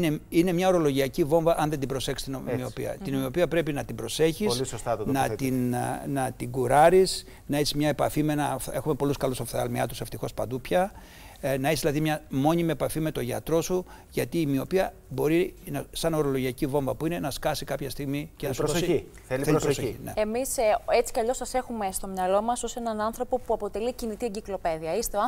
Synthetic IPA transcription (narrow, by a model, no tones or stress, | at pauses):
neine̞mɲɐo̞ɾo̞lo̞ʝiɐcivo̞ɱvɐʔɐnðed̪ibɾo̞se̞kst̪inomio̞pḭɐ̰t̪inomio̞piɐpɾe̞pinɐt̪ibɾo̞se̞çisolisost̪ɐt̪nɐt̪innɐt̪iɡuɾɐɾis | nɐesi̥mɲɐepɐ̰fimenɐfe̞xume̞po̞luskɐlusofθeɐ̰lmiɐt̪use̞ft̪ixo̞spɐd̪upçɐ | nɐeszðilɐðimɲɐmo̞ɲimiepɐfime̞t̪o̞ʝɐ̰t̪ɾo̞su | ʝɐt̪iːmio̞piɐ | bo̞ɾinɐsɐno̞ɾo̞lo̞ʝiɐcivo̞ɱvɐpuine̞nɐskɐsikɐpçɐst̪iɣmicenɐsossi | θeliθɾososineemiset͡si̥kɐʎo̞sɐse̞xume̞st̪o̞mɲɐlo̞mɐsosenɐnɐnθɾo̞po̞puɐpo̞t̪e̞licinit̪ieɲɟiklo̞pe̞ðiɐist̪e